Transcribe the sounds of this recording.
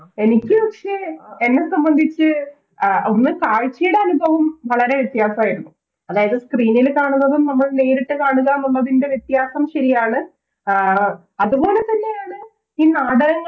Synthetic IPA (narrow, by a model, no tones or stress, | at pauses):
e̞nikʲːɨʋɐkʂe̞enːe̞sɐmbɐnd̪ʱit͡ɕːɨ | o̞nːɨkaːɻt͡ɕːɐjuɽeɐnubʱɐʋɐmʋɐɭɐɾe̞ʋjet̪jaːsɐmaːjiɾunːu | ɐðaːjɐðɨskriːnilkaːɳunːɐðumnɐmːɐɭne̞ːɾiʈːɨkaːɳuɣanɐmɭɐðinde̞ʋjet̪jaːsɐmɕɐɾijaːɳɨ | ɐðubo̞ːlet̪ɐnːe̞jaːɳɨ | iːnaːɽɐɾɐŋː